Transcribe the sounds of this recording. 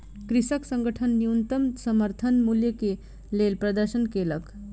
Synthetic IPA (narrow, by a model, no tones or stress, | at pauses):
kɾisəksəŋɡəʈʰənːiunt̪əmsəməɾt̪ʰənmuljəke | lelpɾəd̪əɾsənkelək